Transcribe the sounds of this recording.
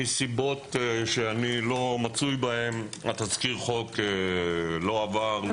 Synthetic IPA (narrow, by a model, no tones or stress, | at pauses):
isibot̪ʃeanilo̞mat͡sujbae̞ma̰t̪azkiʁχo̞kelo̞avaʁ